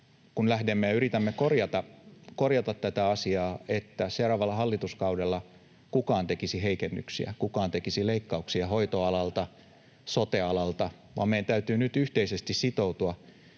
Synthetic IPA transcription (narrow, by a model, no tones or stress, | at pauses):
kunlæhdemːejɑyɾit̪æmːekorjɑt̪ɑkorjɑt̪ɑt̪t̪æt̪æɑsiɑːet̪ːæseurɑʋɑlːɑhɑlːit̪uskɑudelːɑ | kukɑːnt̪ekisiɦeikenːy̰ksḭæ̰kukɑːnt̪ekisileikːɑuksiɑhoit̪oɑlɑlt̪ɑ | sot̪eɑlɑlt̪ɑ | ʋɑ̰mejænt̪æyt̪yːnyt̪yht̪eisest̪issit̪out̪uɑ